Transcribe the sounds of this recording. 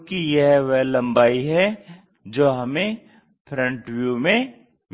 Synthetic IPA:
kijɛɦʋɛɦlɐ̃mbaːiɦɛ | d͡ʒoːɦɐmẽ | pʰɾə̃ɳʈwjumẽ | m

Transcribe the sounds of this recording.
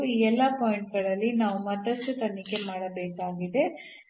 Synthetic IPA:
iːɛlːɐpoːjiɳʈ̚ɡɐɭɐlːinaːʋumɐt̪ːɐsʈut̪ɐnːike̞maːɽɐbeːkaːɡid̪e̞

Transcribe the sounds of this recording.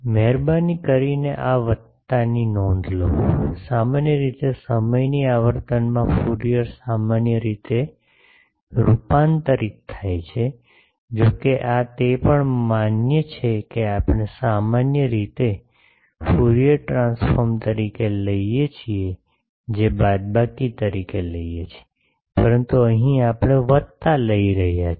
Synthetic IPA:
mɛɾbanikəɾineʔaʋət̪ːaninɔ̃nd̪ʱlosamanjəɾit̪esəməjniaʋəɾt̪ənmãfuɾijəɾsamanjəɾit̪e | ɾupant̪əɾʔik̚t̪ʰːajt͡ʃʰe | d͡ʒokeʔat̪epəɳmanjət͡ʃʰekeapɳ̃esamanjəɾit̪e | fuɾijəɾʈɾãnsfoɾmt̪əɾikeləiet͡ʃʰie | d͡ʒebad̪̚bakit̪əɾikeləijet͡ʃʰe | pəɾənt̪uəɦĩapɳ̃eʋət̪ːaləiɾəɦja

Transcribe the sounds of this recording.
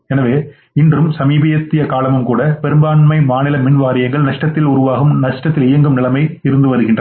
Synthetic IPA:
ɛnɐʋeː | ɪndrɯmsɐmiːbɪjɐt̪ːɪjɐkaːlɐmɯmkuːɽɐpɛɾɯmbaːnmɐɪmaːnɪlɐmɪnʋaːɾɪjɐŋɡɐɭnɐʂʈɐt̪ːɪlʊɾɯʋaːɣɯmnɐʂʈɐt̪ːɪlɪjɐŋɡɯmnɪlɐmɐɪɪɾɯnd̪ɯʋɐɾɯɣɪndrɐ

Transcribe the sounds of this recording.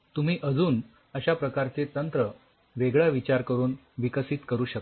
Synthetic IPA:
t̪um̤iːʔəd͡zuːn | əɕapɾəkaɾt͡set̪ənt̪ɾə | ʋeɡɭaʋit͡ɕaɾkəɾuːn | ʋikəsiːt̪kəɾuːɕək

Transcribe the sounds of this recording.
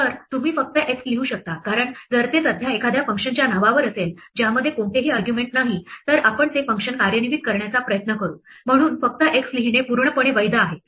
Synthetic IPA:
t̪əɾt̪um̤iːfək̚t̪əʔeksliɦuːɕək̚t̪akaɾəɳd͡zəɾt̪esəd̪ʱjaekʰad̪jafəŋkʂənt͡ɕjanaʋaʋəɾəsel | d͡ʑjaməd̪ʱːjekoɳʈʰeɦiːaɾɡjumeɳʈnaɦit̪əɾapəɳt̪efəŋkʂənkaɾjəniʋit̪̚kəɾɳjat͡sapɾəjət̪nəkəɾuː | m̤əɽ̃uːnfək̚t̪əʔeksliɦiɳ̃epuɾɳəpəɽ̃eʋəjd̪ʱəːɦe

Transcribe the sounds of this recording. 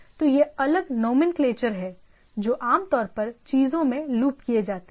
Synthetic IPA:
t̪ojeɐləɡnoːmɪnkleːt͡ʃəɾɦɛ | d͡ʒoːʔaːmt̪ɔːɾpɐɾt͡ʃiːzõmẽluːpkijed͡ʒaːt̪e̥

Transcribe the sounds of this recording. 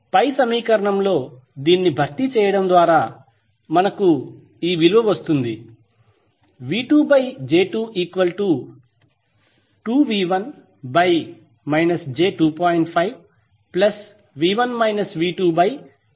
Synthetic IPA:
pɐjsɐmiːkɐɾɐɳɐmlo̞ː | d̪iːnːibʱɐɾt̪it͡ʃɛːjɐɽɐmd̪ʋaːɾaː | mɐnɐku | iːʋiluʋɐʋɐst̪und̪i | ʋiːʈuːbɐjd͡ʒeːʈuːʔiːkʋɐlʈu | ʈuːʋiːʋɐn | bɐj | mɐjnɐsd͡ʒe̞ːʈuːpaːjɳʈpʰɐjb | plɐs | ʋiːʋɐnmɐjnɐsʋiːʈuːbɐj

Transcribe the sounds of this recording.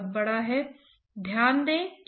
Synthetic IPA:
bɐɽaɦɛ | d̪ʱjaːnd̪ẽːk

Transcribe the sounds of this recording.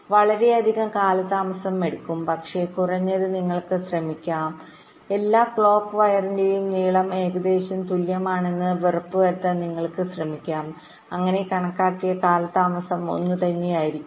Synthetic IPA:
ʋɐɭɐɾe̞ɐd̪ʱiɣɐmkaːlɐt̪ːaːmɐsɐmːeɽikʲːumpɐkʂe̞ːkurɐɲːɐðɨniŋːɐɭkɨsrɐmikʲːaːm | e̞lːaːkɭo̞ːkːʋɐjɐrinde̞jumniːɭɐme̞ːɣɐd̪e̞ːɕumt̪uljɐmaːɳe̞nːɨʋerɐpːɨʋɐɾt̪ːɐniŋːɐɭkɨsrɐmikʲːaːm | ɐŋːɐne̞kɐɳɐkːaːʈːijɐkaːlɐt̪ːaːmɐsɐmo̞̰nːut̪ɐnːijaːjiɾikʲːum

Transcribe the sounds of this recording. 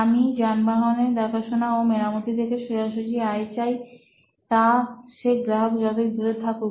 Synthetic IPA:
amid͡ʑanbaɦoneɾd̪akaʃonaomeɾamot̪id̪ʱekeʃoaʃot͡ɕiajt͡ɕaj | t̪aʃekɡɾaɦokd͡ʑat̪id̪uɾet̪ʰaku

